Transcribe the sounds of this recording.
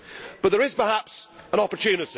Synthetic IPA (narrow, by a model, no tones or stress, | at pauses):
b̥ʌt̪̚ðəɹɪz̥pə˞hapsə̃nɒpətʰʉːnɪti